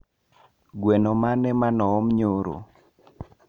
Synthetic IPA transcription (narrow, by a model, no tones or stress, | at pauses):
ɡwɛnomanɛmanɔɔmɲoɾo̰